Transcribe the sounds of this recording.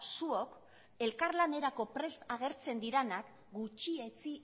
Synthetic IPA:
suo̞k | e̞lkaɾlane̞ɾako̞pɾe̞st̪aɣ̞e̞ɾt͡se̞nd̪iɾenak | ɡut͡ʃie̞t͡si

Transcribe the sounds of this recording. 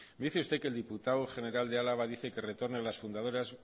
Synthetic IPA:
md̪iθeust̪ekeld̪iput̪awχe̞ne̞ɾald̪ealaβ̞aðiθe̞ke̞re̞t̪o̞ɾnealasfund̪aðo̞ɾaz

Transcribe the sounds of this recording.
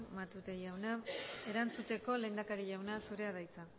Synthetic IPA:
mat̪ut̪ejawnae̞ɾant͡sut̪e̞ko̞le̞ːnd̪akaɾiʎawnasuɾe̞að̞ajt͡sa

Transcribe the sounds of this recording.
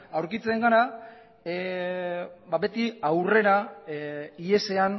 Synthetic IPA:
awɾkit͡seŋɡaɾa | babe̞t̪iawre̞ɾa | ie̞se̞an

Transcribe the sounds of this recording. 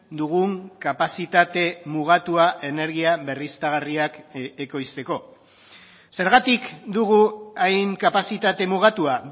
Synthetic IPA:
d̪uɣuŋkapasit̪at̪e̞muɣ̞at̪uaʔe̞ne̞ɾɣ̞iaβe̞rist̪aɣ̞ariakeko̞jst̪e̞ko̞ | se̞ɾɣat̪ikd̪uɣ̞uajŋkapasit̪at̪e̞muɣ̞at̪ua

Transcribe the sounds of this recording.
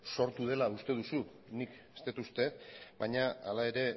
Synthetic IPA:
so̞ɾt̪uðe̞laust̪e̞ðusu | nike̥st̪et̪ust̪e̞baɲaalae̞ɾe̞

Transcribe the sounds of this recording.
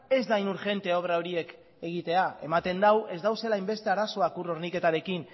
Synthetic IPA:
e̞zd̪ainuɾxe̞nt̪e̞o̞β̞ɾao̞ɾie̞k | e̞ɣ̞it̪e̞ae̞̰mat̪e̞nd̪awe̞zd̪awse̞lajmbe̞st̪e̞aɾaso̞akuro̞ɾnike̞t̪aɾe̞kin

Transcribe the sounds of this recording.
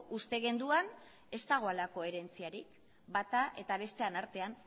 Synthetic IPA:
ust̪e̞ɣe̞nd̪uan | e̞st̪aɣ̞o̞alako̞e̞ɾe̞nt͡siaɾik | bat̪aʔe̞t̪aβ̞e̞st̪e̞anaɾt̪e̞an

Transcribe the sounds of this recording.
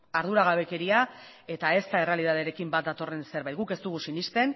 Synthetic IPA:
aɾðuɾaɣ̞aβe̞ke̞ɾia | e̞t̪ae̞st̪ae̞re̞alið̞aðeɾe̞kimbat̪̚d̪at̪o̞re̞nse̞ɾβajt̪̚ɡuke̞st̪uɣusinist̪e̞n

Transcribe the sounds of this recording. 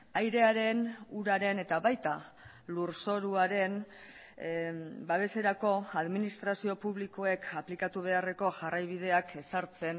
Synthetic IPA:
ajɾe̞aɾe̞nuɾaɾe̞ne̞t̪aβajt̪a | luɾso̞ɾuaɾe̞n | baβ̞e̞se̞ɾako̞aðminist̪ɾasio̞puβliko̞e̞kʰaplikat̪uβ̞e̞are̞ko̞ʝarajβ̞ið̞e̞ake̞saɾt͡se̞n

